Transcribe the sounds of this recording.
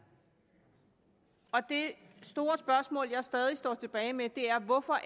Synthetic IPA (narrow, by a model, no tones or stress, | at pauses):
ɒ̽d̥e̝sd̥o̝ːɐsb̥ɶɐsmɔ̰̽ːljɑ̈ɪsd̥ɛːð̞ˠisd̥ɒ̰ːt͡sʰe̝b̥ɛːɪmed̥e̝æɐʋɒfɒ̽ʔ